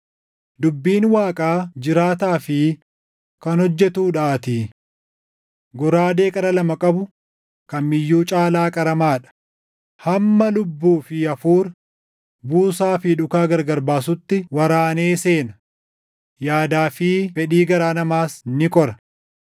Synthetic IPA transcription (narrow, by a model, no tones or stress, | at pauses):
d̪ʊbːiːnwaːkʼaːd͡ʒɪɾaːt̪aːfɪ | kɐnhɔd͡ʒːɛt̪uːᶑaːt̪ɪː | ɡɔɾaːd̪e̞ːkʼɐɾɐlɐmɐkʼɐbʊ | kɐnmɪjːuːt͡ʃʼaːlaːkʼɐɾɐmaːᶑɐ̥ | hɐmːɐlʊbːuːfɪɐfuːɾ | buːsaːfɪᶑʊkaːɡɐɾɡɐɾbaːs̬ʊt̪ːɪwɐɾaːneːseːnɐ | jaːd̪aːfɪfɛᶑiːɡɐɾaːnɐmaːsnɪkʼɔɾɐ̥